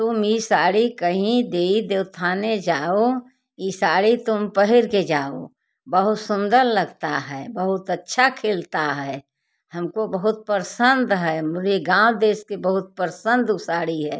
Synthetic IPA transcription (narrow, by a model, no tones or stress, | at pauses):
t̪ʊmisaːɽikəɦĩd̪eːid̪ewt̪ʰaːned͡ʒaːo | isaːɽit̪ʊmpəɦɪɾked͡ʒaːo̰ | bəɦʊt̪sʊ̃nd̪əɾləɡt̪aɦɛːbəɦʊt̪ətːʃʰakʰelt̪aɦɛː | həmkobəɦʊt̪̚pəɾsənd̪ɦɛːmʊd͡ʒeɡãwd̪eːskebəɦʊt̪̚pəɾsə̃nd̪usaːɽiɦɛː